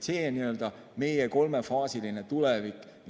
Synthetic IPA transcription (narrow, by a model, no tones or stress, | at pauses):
seːniø̞ld̪̥ɑ | me̞jeko̞lme̞fɑːsiline̞t̪ulevikˑː